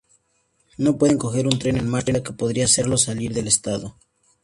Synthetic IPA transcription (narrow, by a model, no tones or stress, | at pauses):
no̞pweðe̞ŋko̞xe̞ɾunt̪ɾe̞nenmaɾenake̞po̞ðɾiase̞ɾlo̞saliɾðe̞le̞st̪aðo